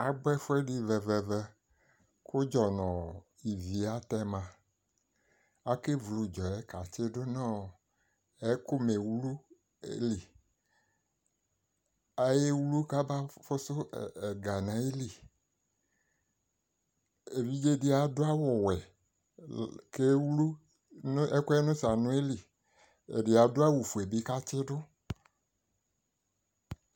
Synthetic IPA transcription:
a˨ɡ͡bɛ˦fo˦ɛ˦ɖi˦vɛ˨vɛ˨vɛ˦ | ko˦d͡ʒɔ˨nɔ̃˨ | i˨vi˨a˦t̪ɛ˦mã˨ | a˦ke˦vlu˨d͡ʒɔ˨ɛ˦ka˨t͡ʃe˦ɖo˦nã˦˨ | ɛ˦ko˦me˨wu˦lu˦ | ḛ˦li˨ | a˦je˦wu˦lu˦ka˦ba˦fʊ˦sʊ˦ɛ˨ɡa˨nã˨˦je˦li˨ | e˨vi˦d͡ʒe˦dɪ˦a˨dʊ˦a˦wɔ˨wɛ˨ | ke˦wlu˦ | ɛ˦kʊ˦ɛ˦nʊ̃˦sa˨nʊ̃˦e˦li˨ | ḛ˨dɪ˨a˨dʊ˦a˦wu˨fu˨e˨bi˦ka˦t͡ʃɪ˦dʊ˦

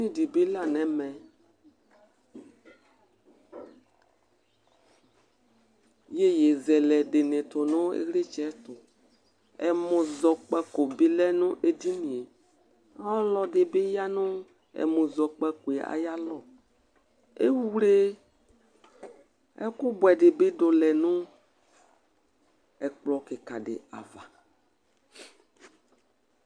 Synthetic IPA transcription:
nĩ˦di˨be˦la˦nɛ̃˨mɛ̃˨ | je˦je˨zɛ˨lɛ˨de˨nẽ˨t̪ɔ˨nõ˦ḛ˦ɣle˦t͡ʃɛ˨˦t̪ʊ˨ | ɛ̰˨mõ˨zɔ˨k͡pɛ˦ko˨bi˦lɛ˦nũ˦ʔe˦di˦nĩ˨e˨˦ | ɔ˦lɔ˨ɖe˨be˦ja˦nõ˦ | ɛ̰˨mõ˨zɔ˨k͡pɛ˦ko˨e˨a̰˨ja˦lɔ˨ | ḛ˦wu˦le˦ | ɛ˦ku˦bwɛ˨ɖe˨be˦ɖo˨lɛ˨nũ˦ | ɛ˨k͡plɔ˨ke˨ka˨ɖḛ˨a̰˨va˨

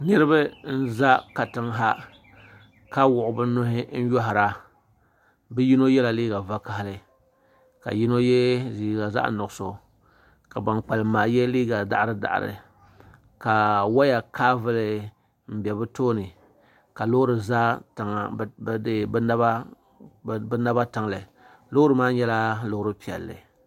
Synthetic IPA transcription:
nɨ˦ɾɨ˦bɨ˦n̩˦za˦ka˨tɨ˦ŋɦa˦ | ka˦wʊ˨ʔʊ˨bɨ˦nʊ˦hɪ˦n̩˦jɔ˦ɦa˨ɾa˦ | bɨ˦ji˦no˦jɛ˦la˨liː˦ɡa˨va˦ka˨hlɨ˨ | ka̰˨ji˦no˦jɛ˦ziː˨ɡa˨za̰˦ʔnʊ˨so˨ | ka˨ba˨ŋk͡pa˨lɨ˨maː˨jɛ˦liː˦ɡa˨da̰˦ʔɾɨ˦da̰˨ʔɾɨ̰˨ | ka˨wa˦ja˨kaː˦vɨ˦lɨ˨ | m̩˦bɛ˨bɨ˦toː˦nɨ˨ | ka˨lo˦hʊ˦ɾɨ˨za˦ta˨ŋ˨dɨ˦bna˦ba˦ | bɨ˦na˦ba˦ta˨ŋ˨lɨ˨ | lʊ˦ʊ˦ɾɨ˨maː˦ɲɛ˦la˦lʊ˦hʊ˦ɾɨ˦pi˨ɛ̰˨lːɨ̰˨

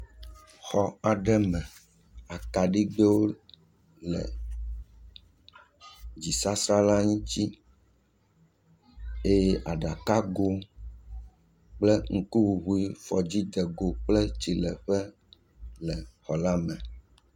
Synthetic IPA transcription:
xɔ˨a˨ɖɛ˦mɛ̃˨ | a˨ka˨ɖi˦ɡ͡bɛ˦wo˦ | lɛ̰˨ | d͡ʑi˨sa˦sɾa˦la˦ɲĩ˦t͡ɕi˦ | e˦jɛ˦ʔa˨ɖa˨ka˦ɡo˦ | k͡plɛ˦ŋ̩˦ku˦wu˨ɦu˦i˦fɔ˨d͡ʑi˦d̪ɛ˨ɡo˨k͡plɛ˦t͡ɕi˨lɛ˨ɸɛ˦ | lɛ˨xɔ˨la˦mɛ̃˨

